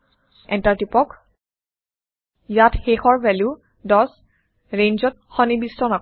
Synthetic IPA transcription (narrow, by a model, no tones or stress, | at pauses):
ɛntaɹtipɔk | jatxexɔɹbʱɛlju | dɔs | ɹenzɔt̚ | xɔnibistɔna